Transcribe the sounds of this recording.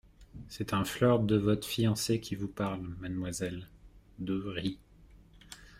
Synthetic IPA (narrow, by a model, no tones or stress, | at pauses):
sɛt̪ɛ̃flœʁd̪əvɔt̪χfijɑ̃sekʲʰivupaʁlmanmwazɛl | d̪əʁi